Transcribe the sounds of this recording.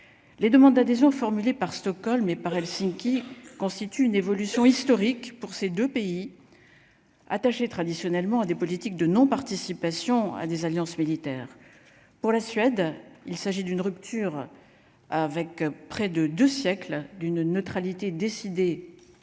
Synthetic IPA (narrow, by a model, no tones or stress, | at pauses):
led̪əmɑ̃d̪d̪ad̪ezjɔ̃fɔʁmylepaʁst̪ɔkɔlmepaʁɛlsiŋkʲikɔ̃st̪it̪yːnevɔlysjɔ̃ist̪ɔʁikpuʁsed̪øpei | a̰t̪aʃet̪χad̪isjɔnɛlmɑ̃ad̪epɔlit̪ik̚d̪ənɔ̃paʁt̪isipasjɔ̃a̰d̪ezaljɑ̃smilit̪ɛːʁ | puʁlasɥɛd̪ilsaʒid̪ynʁypt̪ʰyʁ | avɛkpχɛd̪əd̪øsjɛkld̪ynːət̪χalit̪ed̪esid̪e